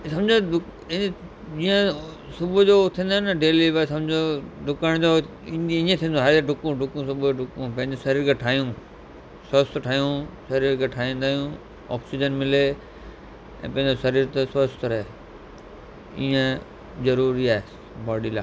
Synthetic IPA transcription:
sɐ̃md͡ʑoɖʊkː | d͡ʑĩːə̃ | sʊbʊd͡ʑot̪ʰĩːnd̪oːnɐɖeːlibs̬ɐ̃md͡ʑʱoɖʱʊkəɽ̃d͡ʑo | ĩːnd̪iĩẽt̪ʰĩːnd̪oɦaɾɖʱʊkũɖʱʊkũsʊbʱoɖʱʊkũpɐ̃ɦɪ̃ɲd͡ʑosɐɾiːɾkʰeʈʰaːɦijũ | səst̪ʈʰaːjũsɐɾiːɾkʰeʈʰaːĩːnd̪aːɦjũ | ɔ̰ːksid͡ʑənmɪle | ɛ̰̃ːpɐ̃ɦɪ̃ɲosɐɾiːɾt̪səst̪əɾɛ | ḭːẽ | zɐɾuːɾiaːɦe | bɔːɖila̰ː

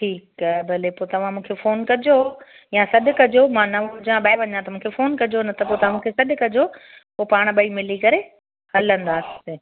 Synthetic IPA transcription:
ʈʰiːkaɛbɐlepoːt̪ɐʋ̤ãmũːkʰefoːnkɐd͡ʑo | jãsɐɗkɐd͡ʑomãːnɐʋd͡ʑãɓaːɪʋɐɲãt̪ɐmũːkʰefoːnkɐd͡ʑonɐt̪ɐpoːt̪ɐãmũːkʰesɐɗkɐd͡ʑo | poːpaːɽ̃ɓɐimɪlikɐɾe | hɐlə̃nd̪aːsɪ̥ɪ

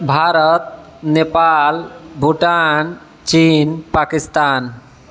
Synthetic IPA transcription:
bʱaɾɔt̪̚ | nepalbʱuʈan | t͡ʃinpakist̪an

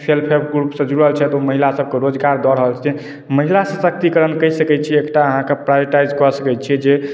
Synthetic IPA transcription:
pʰelpʰebʰɡɾupsə̃d͡ʒɾuəlt͡ʃʰɛt̪uməɦilasəb̚ʱkeɾod͡ʒɡaɾd̪ɔɾəɦəlt͡ʃʰɛ | məɦilasəsək̚t̪ikəɾənkəisəkɛt͡ʃʰiekʈaəɦãkepɾajbeʈajd͡ʒkɔsəkɛt͡ʃʰɛd͡ʒe

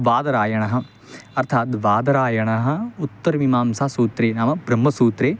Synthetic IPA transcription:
ʋaːd̪ɐɾaːjɐɳɐɦɐ̆ | ɐɾt̪ʰaːt̪ʋaːd̪ɐɾaːjɐɳɐɦɐ̆ut̪ːɐɾʋimaːmsasuːt̪ɾeːnaːmɐbɾɐmːɐsuːt̪ɾeː

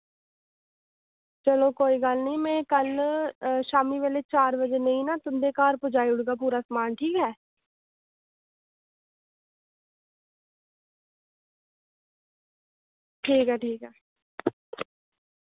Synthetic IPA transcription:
t͡ʃəloːkoːiːɡəlnəĩːmɛ̃ːkəl | ʃaːmiːʋeːleːt͡ʃaːɾbəd͡ʒeːnəĩːnãːt̪ʊnd̪eːkaːɾpʊd͡ʒaːiʊɽɡaːp̬uːɾaːsəmaːnʈʰiːkɦɛː | ʈʰiːkɦɛːʈʰiːkɦɛː

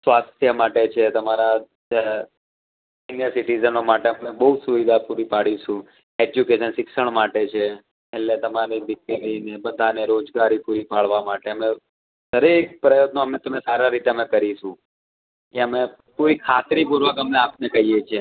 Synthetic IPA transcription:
sʋast̪ʰjəmaʈet͡ʃʰet̪əmaɾa | sinjəsɪʈid͡ʒənomaʈeəmebəɦusuʋid̪ʱapuɾipaɽiʃũ | ed͡ʒjukeʃənsɪkʃəɳ̃maʈet͡ʃʰe | eʈlet̪əmaɾiʋɪklinebəd̪ʱaneɾod͡ʒɡaɾipuɾipaɭʋamaʈeəme | t̪ʰəɾek̚pɾəjod̪noəmet̪əmesaɾaɾit̪eəmekəɾiʃũ | keəme | puɾikʰat̪ɾipuɾʋəkəmeapnekəɦijet͡ʃʰe

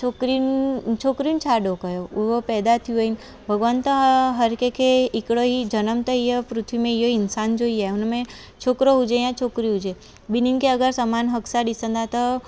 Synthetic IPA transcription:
t͡ʃʰokɾint͡ʃʰokɾint͡ʃʰaɖokəjouɦopɛːd̪at̪ʰiuəin | bʱəɡʋant̪əɦɦəɾkekʰeɪkɽoɦid͡ʒənəmt̪əijəpɾʊt̪ʰʋimẽijoinsand͡ʒoiaunmẽ | t͡ʃʰokɾoɦud͡ʒejãt͡ʃʰokɾiɦud͡ʒe | bininkeəɡəɾsəmanɦəksad̪isə̃nd̪at̪ə

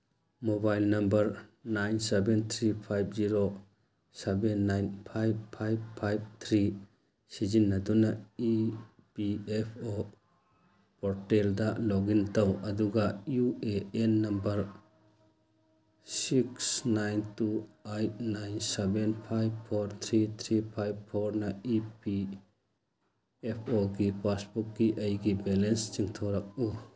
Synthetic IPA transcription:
mobajlnɐmbɐɾnajnsebent̪ʰɾipʰajbziɾo | sebenːajnpʰajb̚pʰajb̚pʰajb̚t̪ʰɾi | sizinːɐdunai | piepʰo | pɔɾteldɐloɡintɐwɐduɡɐjueenːɐmbɐɾ | siksnajntuajt̚najnsebenpʰajbpʰoɾt̪ʰɾit̪ʰɾipʰajbpʰoɾnɐipi | epʰoɡipasbuk̚ɡiʔɐjɡibɛlenst͡ʃiŋt̪ʰoɾɐk̚u

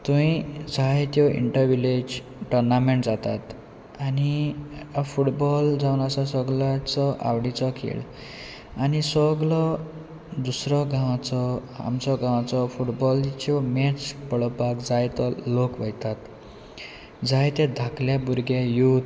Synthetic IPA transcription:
t̪ũĩd͡zʱajt̪jɔʔḭɳʈəɾʋiled͡ʑ | ʈɔɾnameɳʈd͡zat̪at̪ | ani | fuʈbɔld͡zawnasasəɡlat͡sɔʔa̰wɽit͡sɔkʰḛɭ | anisəɡɭɔ | d̪usɾɔɡãwat͡sɔa̰mt͡sɔɡãwat͡sɔfuʈbɔlt͡ɕɔmɛt͡spəɭɔpakd͡zajt̪ɔlokʋəjt̪at̪ | d͡zʱajt̪ɛ̃d̪ʱakljabuɾɡjajut̪

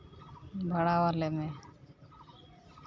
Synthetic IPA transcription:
bʱəɽaːʋaleːmẽː

